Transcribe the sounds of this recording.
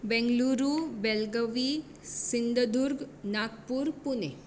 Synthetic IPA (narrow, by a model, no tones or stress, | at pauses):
bɛ̃ŋɡluɾubɛlɡəʋi | sind̪ʱəd̪uɾɡnakpuɾpunḛ